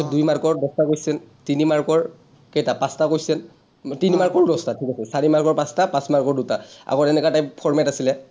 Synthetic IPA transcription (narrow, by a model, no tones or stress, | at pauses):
ɔdujmaɹkɔɹdɔstakojsɛntinimaɹkɔɹ | kɛjtapãstakojsɛn | tinimaɹkɔɹɹɔstatʰikasɛsaɹimaɹkɔɹpãstapãsmaɹkɔɹdutaa̰ɡɔɛnɛkatajpʰɔɹmɛtasilɛ